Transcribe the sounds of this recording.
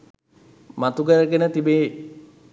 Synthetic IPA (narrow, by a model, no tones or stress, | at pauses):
mat̪uɡəɾəɡenət̪ibeː